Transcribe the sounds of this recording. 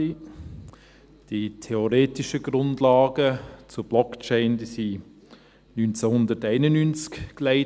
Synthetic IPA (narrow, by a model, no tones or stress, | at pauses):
i | d̥itʰeoɾeːtɪʃəɡɾʊndlɑːɡət͡sʊb̥lɔkt͡ʃɛɪndisi | nynt͡sɛhʊndətæɪnənynt͡skkleɪ